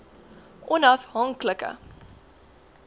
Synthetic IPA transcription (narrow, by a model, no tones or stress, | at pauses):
ʔɔnɐfɦɐŋkləkə̰